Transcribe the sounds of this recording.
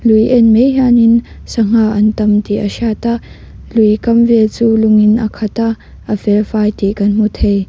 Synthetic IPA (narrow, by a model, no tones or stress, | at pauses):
lujʔɛnmejɦanɪnsɐŋ̥aʔɐnt̪ɐmt̪iʔəʃaːt̪aʔ | lujkɐmvɛlt͡suːlʊŋɪnʔɐ̰kʰɐt̪aʔ | əfɛlfajt̪ikɐnm̥ut̪ʰej